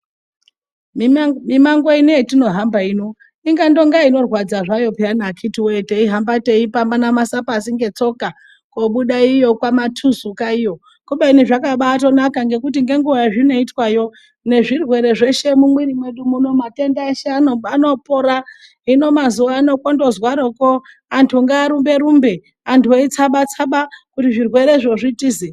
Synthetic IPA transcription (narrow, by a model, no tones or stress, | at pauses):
mimaŋɡoinietino̞ɦambaino̞ | iŋɡando̞ŋɡaino̞rwad͡zaʐajo̞pianakʰitiwe̞teiɦambate̞ipambanamasapas̬iŋɡe̞t͡so̞ka | koɓuɗaijo̞kwamatʰuzukaijo̞ | kuɓeiniʐakaɓaːto̞nakaŋɡe̞kut̬iŋɡe̞ŋɡuʋaaʐino̞itwajo̞ | ne̞ʐirwe̞ɾe̞ʐe̞ʃe̞mumwiɾimweɗumuno̞mate̞ndaeʃeanoano̞poɾa | ino̞mazuʋaːno̞kwondo̞zwaɾoko | antʰuŋɡaːɾumbe̞ɾumbe | antʰueit͡saɓat͡saɓakutiʐirwe̞ɾeʐoʐitiːzi